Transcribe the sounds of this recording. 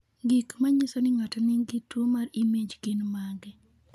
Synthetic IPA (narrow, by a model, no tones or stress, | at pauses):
ɡikmaɲɪsɔnɪŋatanɪŋɡitwomaɾimed͡ʒɡɪnmaɡɛ